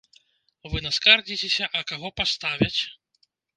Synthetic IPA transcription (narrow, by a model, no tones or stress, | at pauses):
vɨnɐskard͡zʲit͡sʲesʲɐʔɐkaɣɔpast̪avʲɐt͡sʲ